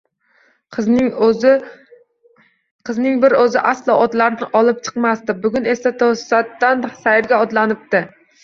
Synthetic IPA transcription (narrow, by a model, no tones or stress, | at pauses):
qʰɨznɪŋbɪɾɵzɪʔaslˠɒʔɒd̪laɾnɪʔɒlˠɪp̚t͡ʃʰɨ̥qmast̪ɪbʊɡʲʊne̞sat̪ʰosat̪ːansajɪɾɡʲaɒd̪lanɪp̚t̪ɪ